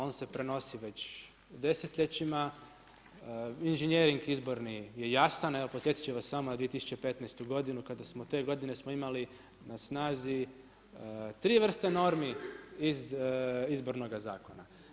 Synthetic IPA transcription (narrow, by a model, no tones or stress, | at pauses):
o̞ːnse̞pɾe̞no̞siʋe̞t͡ɕ | d̪e̞set̪ʎʲe̞t͡ɕima | inʒenjeɾiŋɡizbo̞ɾnije̞jasaneʋo̞posjet̪i̥t͡ʃeʋasːamonad̪ʋije̞t̪isu̥t͡ɕe̞pe̞t̪najst̪uɡo̞d̪inukad̪asmot̪e̞ɡo̞d̪ine̞smoimali | nasnaːzi | t̪ɾiːʋr̩st̪eno̞ɾmiizizbo̞ɾno̞ɡazaːko̞na